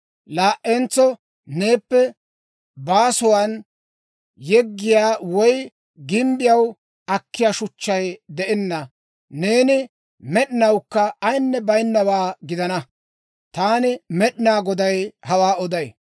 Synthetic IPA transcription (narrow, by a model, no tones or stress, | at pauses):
laːʔːent͡sːɔ | ne̞ːpːɛ | baːsʊwan | jɛɡːɪjaːwɔj | ɡɪmbɪjɐw | ɐkːɪjaːʃʊt͡ʃːɐjd̪ɛʔɛnːɐ | ne̞ːnɪ | mɛɗɪnɐwkːɐːjnːɛbɐjnːɐwaːɡɪd̪ɐnɐ | t̪aːnɪmɛɗɪnaːɡɔd̪ɐjhɐwaːɔd̪ɐj